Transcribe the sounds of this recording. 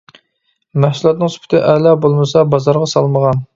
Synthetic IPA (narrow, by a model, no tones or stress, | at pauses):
mæhsulˠɑt̪nɨŋsy̥pʰɪ̥t̪ʰɪʔɛlɑbolˠmɨsɑbɑzɑɾʁɑsɑlˠməʁɑn